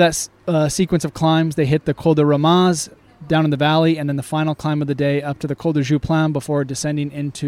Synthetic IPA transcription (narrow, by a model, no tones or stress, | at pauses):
ðɨts | sikwɨ̃nsʌv̥kʰl̥ãɪ̃mzðeɪɦɪt̪̚ðɨkʰoʊlˠdəɹəmɑz | dãʊ̃ñnðɨvælˠiɨ̃nðɨ̃nðɨfãɪnl̩ˠkʰl̥ãɪ̃mʌvðɨdeɪʌp̚tʰɨðɨkʰoʊlˠdəʒʉpʰl̥æ̃nbəfɔɹdɨsɛ̃ndɪ̃ŋɪ̃ntʰʉ